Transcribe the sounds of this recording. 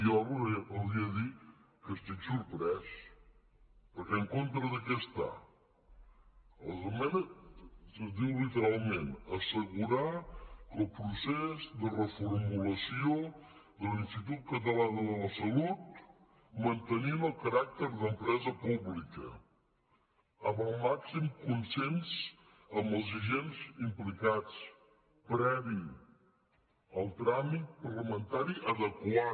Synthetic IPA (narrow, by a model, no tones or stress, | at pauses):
ɔβəβiəðikəst̪iksuɾpɾɛs | pəɾkɛəŋkont̪ɾəðəkɛəst̪a̰ | əzomɛn | əzd̪iwlit̪əɾalˠmenəsəɣuɾaəlˠpɾusɛzd̪ərəfuɾmuləsioðəlinst̪it̪̬ut̪̚kət̪̬əlanðələsəlut̪̚ | mənt̪əniməlˠkəɾak̚t̪əɾðəmpɾɛzəpuβlikə̰ | əməlˠmaksimkunsens | əmbəlˠziʒenzimplikat͡s | pɾɛβi | əlˠt̪ɾamit̪̚pəɾləmənt̪aɾiʔəðəkwa